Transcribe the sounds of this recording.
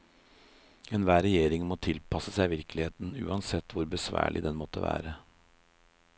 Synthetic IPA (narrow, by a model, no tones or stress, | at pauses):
eːnʋæːɾɛjeːɾɪŋmoːt̪ʰɪlpʰɑsəsæɪʋɪɾklɪheːt̪n̩ʉ̰ːɑnsɛt̪ʰːʋʊɾbəsʋæ̰ːɭʔɪ̰d̪ɛnmɔt̪ːə̰ʋæ̰ːɾə